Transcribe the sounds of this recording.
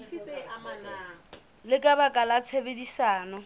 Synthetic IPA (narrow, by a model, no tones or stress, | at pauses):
lɪkʼabakʼalat͡sʰebedisaːnɔ